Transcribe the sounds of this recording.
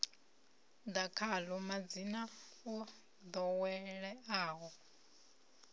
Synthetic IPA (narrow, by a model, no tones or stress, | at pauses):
d̪akʰalɔmad͡zina | ɔ | d̪ɔwɛɺɛaːɦɔ